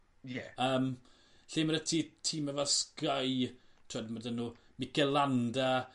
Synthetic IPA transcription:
jɛəːm | ɬiːməɾətʰiːtʰiːmavaskajtʰɔdmədənumɪkɛlanda

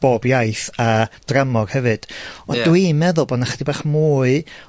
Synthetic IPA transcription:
b̥oːbjajθad̥ramɔr̥hɛvɨd̥ɔdwimɛðʊlˠboːdnaχədibaːχmuːɨ

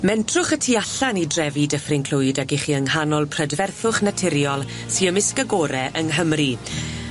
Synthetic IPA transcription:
mɛntʰrʊχətʰiːaɬanidrɛvidəfrɪnkʰl̥ʊjdaɡiχiəŋhanɔlˠpʰrədvɛrθʊχnatʰɪɾjɔlˠ | siəmɪskəɡɔːɾɛʔəŋɦəmri

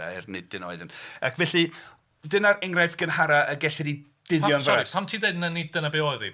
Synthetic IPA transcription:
a̰ɪrnɪd̚ɪno̰ɨðɪna̰kʰvɛɬi | dɪnaɾɪŋrajθɡ̥ənhaɾaʔəɡɛɬɪɾi | d̥ɪðjɔnvɔaipʰamtʰiːdeɨdnanid̥ənabeɔɨðḭ

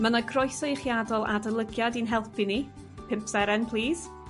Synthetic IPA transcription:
mənaɡʰrɔjsejχjadɔlˠa̰dəlˠəɡjadinɦɛlˠpʰini | pʰɪmpsɛɾɛnpʰlˠiːz̥

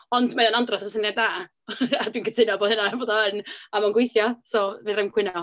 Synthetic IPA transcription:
ɔndmaðanandrɔsasənjadaː | adwiːnkʰətʰɪnaboːðənaboːdɔənamanɡwejθjɔsoːvinrɪmkʰwɪnɔ

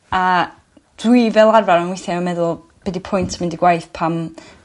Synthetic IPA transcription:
a | d̥wivɛlˠarvaɾənwɪθjaənmɛðʊlˠ | b̥ɛdipʰɔjntʰmɪndiɡwajθpʰam

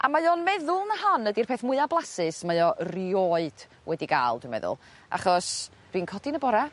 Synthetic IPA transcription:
ʔa̰majoːnmɛðʊlˠnəɦɔnədirpʰeːθmʊɨablˠasɨsmajɔrioːɨd̥ | wʔɛdiɡa̰ːlˠdwimɛ̰ðʊ̰lˠ | ʔa̰χɔs | d̥winkʰɔdinəbɔɾa

